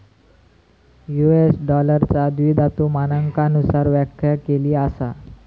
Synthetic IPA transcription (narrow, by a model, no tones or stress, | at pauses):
juesɖɔləɾt͡sad̪ʋid̪ʱat̪uːmanəŋkanusaɾʋjakʰjakeliːasa